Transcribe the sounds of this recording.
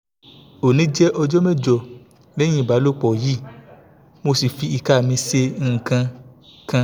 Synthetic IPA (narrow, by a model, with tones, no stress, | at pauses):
o˨nĩ˨˦d͡ʒɛ˦ʔɔ˧d͡ʒɔ˦mɛ˦˨d͡ʒɔ˨ | lɛ˦j̃ĩ˦˨ba˨˦lo˦k͡pɔ˨ji˦˨ | mo˧si˨fi˧i˨ka˦˨mĩ˧se˧ŋ̩˦˨kã˧ | kã˧